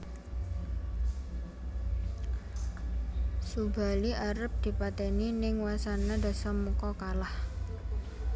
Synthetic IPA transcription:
suba̤liʔaɾəp̚d̪̥i̤pat̪ɛninɪŋwasanad̪a̤sɔmːəkɔkalah

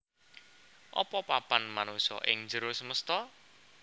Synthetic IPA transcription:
ʔɔ̰pɔpapanmanusɔ̰ʔɪŋd͡ʒəɾʊsəməst̪ɔ

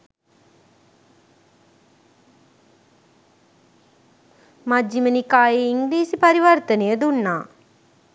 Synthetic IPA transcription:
mad͡ʒimənikaːjeiŋɡliːsipɐɾiʋɐrt̪ənejəd̪unːaː

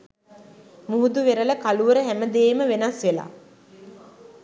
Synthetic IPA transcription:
muɦud̪uʋeɾələkaluʋəɾəɦæməd̪eːməʋenasʋela̰ː

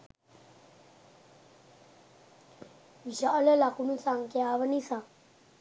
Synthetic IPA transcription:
ʋiɕalalakunũnsaŋkjaːʋənisa

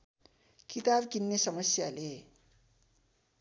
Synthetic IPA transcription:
kit̪abkinːesʌmʌsjale

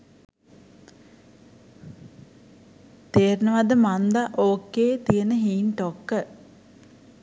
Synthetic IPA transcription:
t̪eːɾnəʋad̪əmand̪aʔoːkːeːt̪ijənəɦiːnʈokːə

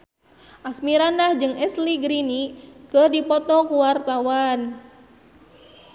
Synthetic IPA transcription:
ʔasmiɾandahd͡ʒɨŋɛsliɡɾinikərdipɔt̪ɔkuwart̪awan

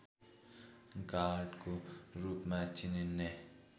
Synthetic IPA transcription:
ɡaːɾɖkoɾuːpmãt͡ʃɪninːe

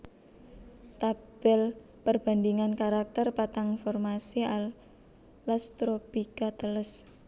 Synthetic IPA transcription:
t̪ab̥ɛl | pərb̥a̤nd̪iŋankaɾak̚t̪ərpat̪aŋfɔrmasial | lːast̪ɾopikat̪ələs

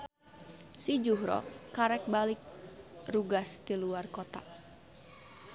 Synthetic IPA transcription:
sid͡ʒuɦɾɔ̰kaɾɛk̚balɪk̚ruɡast̪iluarkot̪a

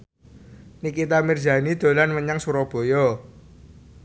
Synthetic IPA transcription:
nikit̪amird͡ʒa̤nid̪̥o̤lanməɲaŋsuɾɔb̥o̤jɔ

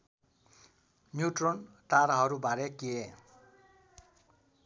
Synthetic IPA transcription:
njuʈron | ʈaɾaɦʌɾubaɾekie

